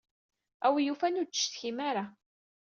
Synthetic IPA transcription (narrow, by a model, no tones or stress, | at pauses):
æwjufænutːt͡ʃːʃθçimaɾa